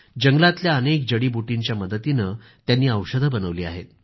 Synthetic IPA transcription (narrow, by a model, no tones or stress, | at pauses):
d͡ʑəŋɡlat̪ljaənek̚d͡ʑəɽiːbuʈiɲt͡ɕjaməd̪ət̪inə | t̪janːiːəwʂəd̪ʱəbənəʋliːa̰ɦḛt̪̚